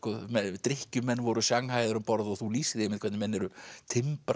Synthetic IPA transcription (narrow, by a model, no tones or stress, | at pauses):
kɔmɛt̪ɾɪhcʏmɛnːvɔɾʏsjaŋɦajðʏɾʏmpɔɾðɔɣθuliːsɪðɪɪmːɪðkʰvɛt̪nɪmɛnːɛɾʏt̪ʰɪmpɾ